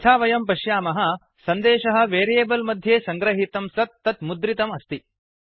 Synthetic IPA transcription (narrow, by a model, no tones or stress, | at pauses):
t͡ʃʰaːʋɐjɐmpɐʃjaːmɐɦɐ̆ | sɐnd̪eːʃɐɦɐ̆ʋeːɾijeːbɐlmɐd̪ʱjeːsɐŋɡɾɐɦit̪ɐmsɐt̪ːɐt̪mud̪ɾit̪ɐmɐst̪i